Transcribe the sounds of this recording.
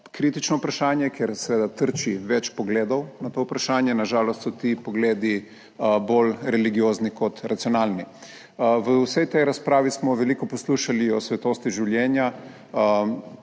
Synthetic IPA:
kɾiːt̪it͡ʃnɔpɾaʃaːnjɛkɛɾsɛʋeːd̪at̪əɾt͡ʃiʋɛt͡ʃpɔɡleːd̪ɔwnat̪oupɾaʃaːnjɛnaʒaːlɔst̪sɔt̪ipɔɡleːd̪i | bolɾɛliɡijoːznikɔt̪ɾat̪siɔnaːlni | ʋəwsɛjt̪ɛjɾaspɾaːʋismɔʋɛlikɔpɔsluʃaliɔsʋɛt̪oːst̪iʒiwljɛːnja

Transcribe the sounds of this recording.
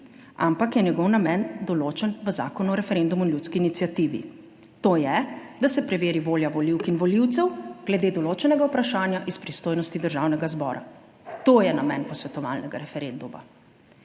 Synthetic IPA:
ampakjɛnjɛɡɔwnamɛnd̪ɔloːt͡ʃɛnʋəza̰ːkɔnuɔɾɛfɛɾend̪umuinlut̪skiːnit̪sjat̪iʋḭ | t̪oːjɛd̪asɛpɾɛʋeːɾiʋoːljaʋɔliwkinʋɔliwt̪sɛwɡ̥lɛd̪eːd̪ɔloːt͡ʃɛnɛɡawpɾaʃaːnjaʔispɾist̪oːjnɔst̪id̪əɾʒawnɛɡazbɔ̰ːɾa̰ | t̪oːjɛnamɛnpɔsʋɛt̪ɔʋa̰ːlnɛɡaɾɛfɛɾend̪uma̰

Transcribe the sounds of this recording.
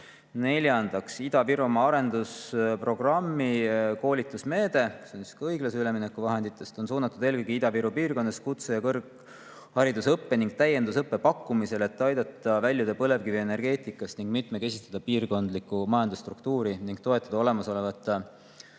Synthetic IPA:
ne̞lʲjɑnd̪̥ɑksid̪̥ɑviɾumɑɑɾe̞nd̪uspro̞ɡ̥rɑmːiko̞ːlʲit̪ːˑusme̞ːd̪̥e̞seonsi̥skɤjɡ̥lɑsyle̞minekːuvɑɦe̞nd̪̥it̪ːˑe̞st̪o̞nsuːnɑt̪ːˑud̪̥e̞ːlkɤjɡ̥iid̪̥ɑviɾupiːrko̞nːɑskut̪sejɑkɤrɡ | hɑɾid̪usɤpːe̞niŋɡ̥̚t̪æjːe̞nd̪us̬ɤpːe̞pɑkːumise̞le̞t̪ːˑɑjd̪ɑt̪ːˑɑvælʲːjud̪epɤle̞vkiveene̞ɾrɡe̞ːt̪ˑikːˑɑst̪niŋɡ̥mit̪meke̞sʲist̪ɑd̪̥ɑpiːrko̞nd̪likːˑumɑjɑnd̪ust̪ruk̚t̪uːɾiniŋɡ̥t̪o̞e̞t̪ːˑɑd̪̥ɑo̞le̞mɑso̞levɑt̪ˑːɑ

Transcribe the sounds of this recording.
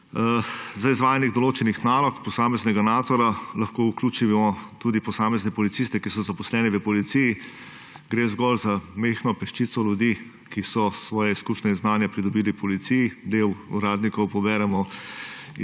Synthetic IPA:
zaizʋaːjaniɣd̪ɔloːt͡ʃɛnixnaːlɔkpɔsaːmɛznɛɡanaːd̪zɔɾalɐxkoukluːt͡ʃimɔt̪uːd̪ipɔsaːmɛznɛpɔlit̪sist̪ɛkisɔzapɔslɛːnɛʋəpɔlit̪siji | ɡɾeːzɡɔlzamexnɔpɛʃt͡ʃit̪sɔlʲjud̪i | kisɔsʋɔːjɛiskuːʃnɛinznaːnjapɾid̪ɔbiːlipɔlit̪sijid̪ewṵɾaːd̪nikɔwpɔbɛːɾɛmɔ

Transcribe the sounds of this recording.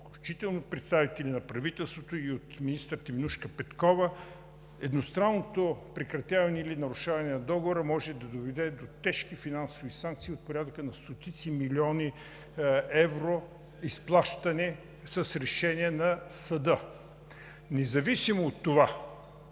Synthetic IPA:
klʲut͡ʃit̪ɛlˠnopɾɛt̪st̪avit̪ɛlʲinɐpɾɐvit̪ɛlˠst̪vot̪oiot̪minist̪əɾt̪iminuʃkəpɛt̪kɔvə | ɛd̪nost̪ɾanːot̪opɾɛkɾɐt̪ʲjavɐnɛilinɐɾʊʃavɐnɛnɐd̪ɔɡovoɾəmɔʒɛd̪ɐd̪ovɛd̪ɛd̪ot̪ɛʃkifinansovisaŋk̚t̪siːot̪̚poɾʲad̪əkənɐst̪ot̪it̪similʲiɔni | ɛvɾo | isplˠaʃt̪ɐnɛ | səsɾɛʃɛniɛnɐsɐd̪ə | nɛzɐvisimoːt̪ːova

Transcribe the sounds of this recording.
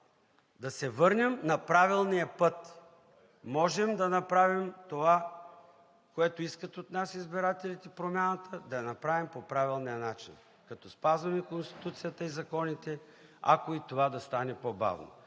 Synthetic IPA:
d̪ɐsɛvɤɾnʲəmnɐpɾavilˠnijɐpɤt̪ | mɔʒɛmd̪ɐnɐpɾavimt̪ova | koɛt̪oiskət̪ot̪nasizbiɾat̪ɛlʲit̪ipɾomʲanət̪ʰəd̪ɐjɐnɐpɾavimpopɾavilˠnijənat͡ʃḭn | kɐt̪ɔspazvɐmikonst̪i̥t̪ut̪sijət̪əizɐkɔnit̪ɛ | a̰koit̪ovad̪ɐst̪anɛpoba̰vno̰

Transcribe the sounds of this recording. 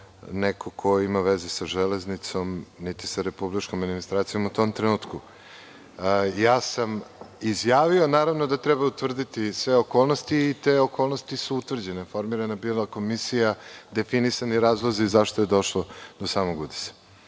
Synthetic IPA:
nekʰokʰo̞imaʋezesaʒɛleznit̪so̞mnit̪i̥saɾepublit͡ʃkomad̪minist̪ɾaːt̪sijo̞mut̪o̞mt̪ɾenuːt̪ku | jaːsamizjaːʋionaːɾaʋnod̪at̪ɾɛbaut̪ʋr̩d̪it̪isʋeokoːlˠnost̪iːt̪eokolˠnost̪isuut̪ʋvr̩d͡ʑe̞nefo̞ɾmiɾanabiːlˠako̞misijad̪e̞finisaniɾaːzlˠoziːzaʃt̪ojed̪o̞ʃlˠod̪̥osaːmoɡud̪i̥se̥

